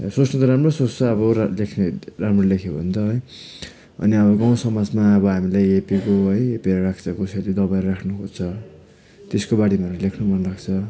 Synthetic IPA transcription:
sosnʌt̪ʌɾamrosost͡sʌːbʌlekʰneramrolekʰjobʱʌnt͡sʌɦʌj | ʌ̰niʌbʌɡʌw̃sʌmad͡zmaʌbʌɦamilajepikoɦʌjepieɾʌrakʰt͡sʰʌkoseled̪ʌbajʌrakʰnukot͡sʰʌ | t̪eskobaɽimaɾalekʰnumʱʌnlaɡt͡sʰʌ

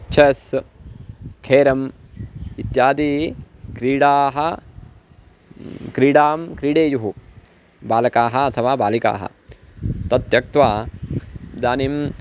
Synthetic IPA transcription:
t͡ʃʰes | kʰeːɾɐm | it̪jaːd̪iːkɾiːɽaːɦɐ | kɾiːɖaːmkɾiːɽeːjuɦu | baːlɐkaːɦɐɐt̪ʰɐʋaːbaːlika̰ːɦɐ̰ | t̪ɐt̪jɐk̚t̪ʋaː | d̪aːnim

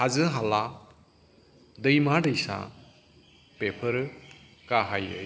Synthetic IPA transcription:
hazɯɦala | dɯjmadɯjsa̰ | pepʰɯɾ | kaɦajɯ̰

